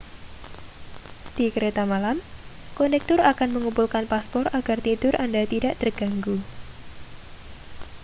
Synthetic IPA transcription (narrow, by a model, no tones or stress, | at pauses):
d̥ikəɾet̪amalam | konɛk̚t̪ʊrakanməŋupulkanpaspɔraɡ̥art̪idʊrʔandat̪idaʔt̪ərɡ̥aŋɡu